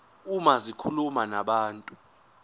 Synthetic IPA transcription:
umazikʰulumanaɓaːntʼu

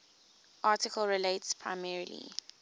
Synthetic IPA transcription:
ʔaːˑtɪkʰəlɹiletspʰɹa̰ɪmɛɹilḭ

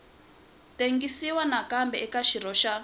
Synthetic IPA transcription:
teŋɡisiwanakambɛɛkaʃiɾɔʃa

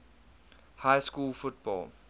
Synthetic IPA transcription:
haɪskuːlfut̚b̥ɔ̰ːl

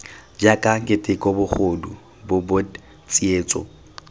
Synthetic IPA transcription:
d͡ʒakʼaŋkʼɪtʼɪkʼɔbʊχodu | bʊbʊd | t͡sʼieːt͡sʼɔ̰

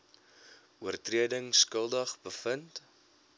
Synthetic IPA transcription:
uərtriədəŋskəlˠdəχbəfənt

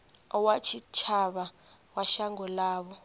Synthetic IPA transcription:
ɔwat͡ʃʰit͡ʃʰaɓa | waʃaŋɔlaːɓɔ

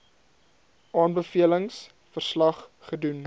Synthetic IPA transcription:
ʔɑːnbəfiələŋs | fərslɐχχədun

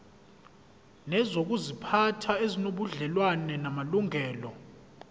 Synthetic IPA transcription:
nɛzok̬uzipʰatʰaezinoɓuɮɛlwanɛnamaluŋʱɛːlɔ

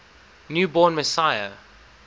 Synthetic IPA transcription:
njuːbɔːnmɛsaɪə̰

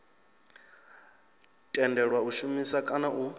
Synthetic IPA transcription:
tʼɛndɛɺwauʃumisakʼanaʔu

